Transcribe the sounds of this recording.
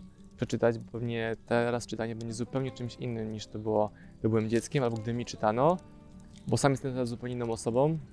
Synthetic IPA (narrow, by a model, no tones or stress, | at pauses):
pʂɛt͡ʂɘt̪ad͡ʑbɔpɛvɲɛt̪ʰɛɾast͡ʂɨt̪aɲɛbɛɲd͡ʑɛzupɛwɲɛt͡ʂɘmɕḭnːɘmɲiʂt̪ɔbɘwɔ | t̪ɔbɘwɛmd͡ʑɛt̪skʲɛmalbɔɡ̚d̪ɘmʲit͡ʂɘt̪anɔ | bɔsamjɛst̪ɛmt̪ɛɾazːupɛwɲeinːɔw̃ɔsɔbɔ̃m